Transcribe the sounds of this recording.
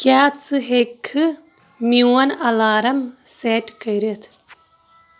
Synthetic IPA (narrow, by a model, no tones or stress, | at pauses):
kaːt͡sɨɦekʰːɨ | miwɐnɐlaːɾɐmseːʈkɐjɾet̪ʰ